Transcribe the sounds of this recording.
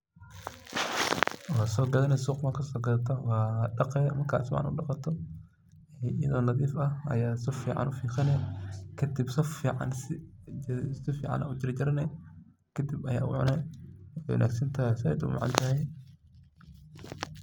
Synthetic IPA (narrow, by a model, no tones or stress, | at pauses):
ɔːsɔːɡɐðɐnɛsuːqmɐkʰɐsɔːɡɐðɐt̪ʰɐwɑːɖɑqɛmɐrkʰaːt̪smʕɑ̰nʊ̰ɗɑqɑt̪ʰɔ | ɪjɐ̰ðɔːnɐðiːfɐɐ̰jaːsɔfḭːʕɑ̰nʔʊfiːxɐnɛkʰɐd̪ibsɔfiːʕɑ̰nsɪ | sɪfḭːʕɑ̰nʔɐ̰ʊd͡ʒɪɾɐt͡ʃɪɾɐnɛ | kʰɐd̪ibɐja̰ːʊ̰ʕʊ̰nɛ | wɐ̰nʔa̰ːɡsɐnt̪ʰɐsɪɛ̰jd̪ʊ̰mɐ̰ʕɑ̰nt̪ʰɐɦɛj